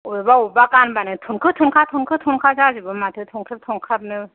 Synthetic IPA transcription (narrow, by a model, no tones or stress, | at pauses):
obaubakanbanɯt̪ʰonkʰɯt̪ʰɯnkʰat̪ʰonkʰɯt̪ʰonkʰad͡ʒad͡ʑibɯnmat̪ʰɯt̪ʰonkʰɯp̚t̪ʰonkʰap̚nɯ